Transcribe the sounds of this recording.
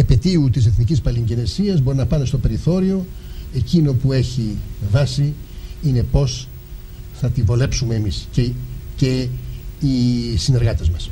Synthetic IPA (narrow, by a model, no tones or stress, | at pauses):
epe̞t̪iut̪ise̞θnicispɐliɲɟine̞siɐzbo̞ɾinɐpɐne̞st̪o̞pe̞ɾiθo̞ɾio̞e̞cino̞pue̞çivɐsi | ine̞po̞s | θɐt̪ivo̞le̞psumeːmiscece̞ | isine̞ɾɣɐt̪ezmɐs